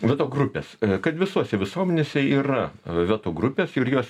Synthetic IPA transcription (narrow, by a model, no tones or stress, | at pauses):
ʋʲɛt̪oːɡrʊpʲeːskɐt̪ʋʲɪsuɔsʲɛʋʲɪsuɔmʲɛnʲeːsʲɛiːrɐʋʲɛt̪oːɡrʊpʲeːsɪrjuɔs